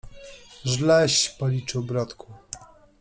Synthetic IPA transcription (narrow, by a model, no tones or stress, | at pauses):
ʐlɛɕpɔlʲit͡ʂɔbɾat̪kʰu